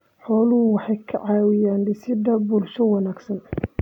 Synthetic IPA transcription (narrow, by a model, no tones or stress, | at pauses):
ħɔːlʊɦʊwɑħɑjkʰɐ̰ʕɑːwɪjaːnɖɪsɪd̪ɐbʊlʃɔwɑnaːɡsɐn